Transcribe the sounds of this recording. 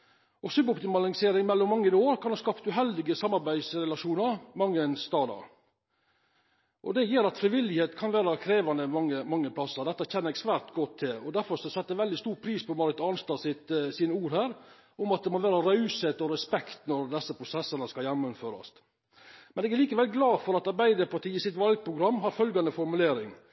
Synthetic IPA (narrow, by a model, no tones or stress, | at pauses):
ʔɔsʉbʊpt̪ɪmɑləŋseːɾɪŋmɛlːɔmːɑŋːənoːɾkʰɑnɑskɑpt̪ʉɦɛld̪ɪɡəsɑmːɑɾbæɪsɾɛlɑʂuːnəɾmɑŋːənst̪ɑːd̪ɑ̰ɾ | ʔɔ̰d̪ɛjiːɾɑt̪fɾɪʋɪlːɪheːt̪kʰɑnʋæːɾɑkʰɾeːʋɑnd̪əmɑŋːəmɑŋːəpʰlɑsəɾd̪ɛt̪ːəçɛnːəɾɛkspæɾt̪ɡɔt̪ʰːɪlɔd̪æɾfɔɾsɔsɛt̪ːəʋɛld̪ɪst̪uːɾpʰɾiːspʰɔmɑɾət̪ɑnst̪ɑːsɪt̪siːnəuːɾhæːɾ | ʊmɑt̪̚d̪ɛmɔʋæːɾəɾɑʉsheːt̪ɔɾɛspɛkt̪nɔɾd̪ɛsːəpʰɾʊsɛsːənəskɑljæmːəmføːɾɑ̰s | mɛnɛːɡæɾɭiːkəʋɛlɡlɑːfɔɾɑt̪ɑɾbæɪd̪əɾpɑʈiːɪsɪt̪ʋɑlɡ̚pʰɾʊɡɾɑmːɦɑɾfœlɡɑnəfɔɾmʉleːɾɪŋ